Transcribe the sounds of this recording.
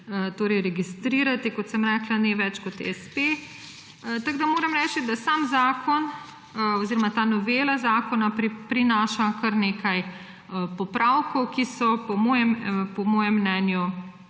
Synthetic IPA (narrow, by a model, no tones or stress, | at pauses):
t̪oːɾɛjɾɛɡist̪ɾiːɾat̪ikɔt̪sɛmɾɛːklaneʋɛt͡ʃkɔt̪ḛɛspe | t̪aɡd̪amoːɾɐmɾɛt͡ʃid̪asaːmzaːkʰɔn | ɔziɾɔmat̪aːnɔʋeːlazaːkɔnapɾipɾinaːʃakɐɾneːkʰaj | pɔpɾʔawkɔwkisɔpɔmɔːjɛmpɔmɔːjɛmːnɛːnju